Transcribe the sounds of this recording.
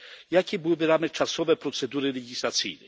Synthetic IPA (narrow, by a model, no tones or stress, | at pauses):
jakʲibuwvɛɾamɛt͡ʂasɔvɛpɾɔt̪sɛd̪uɾɪlɛɡʲislat̪sʲḭjnɛ